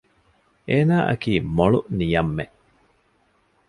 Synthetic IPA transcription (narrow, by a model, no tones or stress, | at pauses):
ʔeːnaːʔɐ̰kiːmoɭunijɐmːe